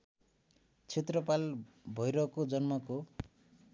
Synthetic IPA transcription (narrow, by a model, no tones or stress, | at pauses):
t͡sʰet̪rʌpalbʱʌjɾʌkod͡zʌnmʌko